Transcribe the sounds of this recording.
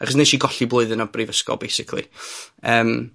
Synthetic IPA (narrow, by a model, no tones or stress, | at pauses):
aχɔsnejʃiːɡɔɬiblˠoɨðɪnɔbrivəskɔ̰lˠbejsɪkʰlˠḭəːm